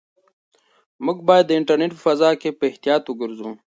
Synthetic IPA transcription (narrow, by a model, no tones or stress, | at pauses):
məɡbaːjd̪ːəɪɳʈɐɾneʈfɐzaːkepeht̪ijaːt̪uɡəɾzũː